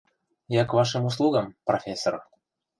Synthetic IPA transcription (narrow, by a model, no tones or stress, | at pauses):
jɑkvɑʃəmus̬lˠuɡɤmprofʲesːor